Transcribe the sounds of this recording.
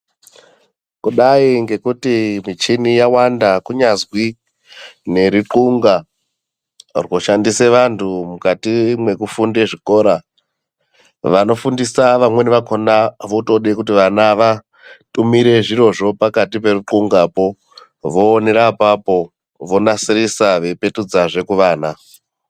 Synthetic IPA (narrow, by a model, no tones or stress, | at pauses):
kuɗaiŋɡe̞kutimit͡ʃinijawandakuɲazwi | ne̞ɾiǃuŋɡa | rwo̞ʃandise̞ʋantʰumukatimwe̞kufunde̞ʐiko̞ːɾa | ʋano̞fundisaʋamwe̞niʋakonaʋoto̞ɗekutiʋanaʋa | tumiɾe̞ʐiro̞ʐo̞pakatipe̞ruǃuŋɡaːpo̞ | ʋo̞ːne̞ɾapapo̞ | ʋo̞nasirisaʋe̞pe̞tud͡zaʐe̞kuʋaːna